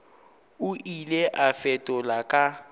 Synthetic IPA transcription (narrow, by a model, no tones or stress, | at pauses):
ʊʔilɛʔafɛtʼɔlakʼa